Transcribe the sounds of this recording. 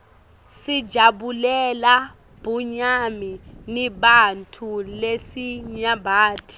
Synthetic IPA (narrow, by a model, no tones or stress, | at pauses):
sidʒʱaɓulɛla | b̥ʱuɲaminiɓantʰulesiɲabʱaːtʰi̥